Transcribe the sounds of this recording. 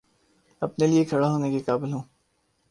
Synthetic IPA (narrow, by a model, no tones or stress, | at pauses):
ɐpneliekʰɐɽaɦoːnekekaːbɪlɦũː